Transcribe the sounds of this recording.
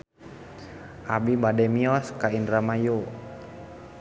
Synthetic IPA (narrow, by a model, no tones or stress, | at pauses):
ʔabibadɛmiɔskainramaju